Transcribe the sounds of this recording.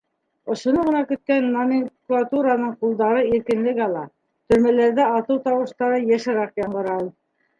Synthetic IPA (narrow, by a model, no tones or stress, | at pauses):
ŏʃŏnɤʁɤ̆nɑkɵ̆t̪̚kænːamʲɪŋklˠat̪uɾanɤɴqulˠd̪ɑɾɤiɾkɘ̆nlɘ̆ɡɑlˠɑ | t̪ɵ̆ɾmælæɾðæɑt̪ɤwt̪ɑwɤ̆ʃt̪ɑɾɤjæʃɘ̆ɾɑqjɑɴɢɤ̆ɾɑlˠ